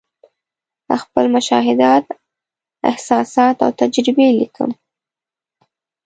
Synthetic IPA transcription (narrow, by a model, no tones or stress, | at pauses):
əxpəlmʊʃɑɦɪd̪ɑt̪ | ɪ̰hsɑsɑt̪a̰wt̪ad͡ʒɾɪbelikʰə̰m